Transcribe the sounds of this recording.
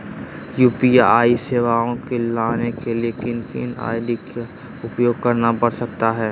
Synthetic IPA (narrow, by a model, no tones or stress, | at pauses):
juːpiaaːiseːʋaːõkelaːnekeliekɪnt̪ʰḭːna̰ːɪɖika | ʊpjoːɡ̚kɐɾnabɐɽsɐkt̪aɦɛː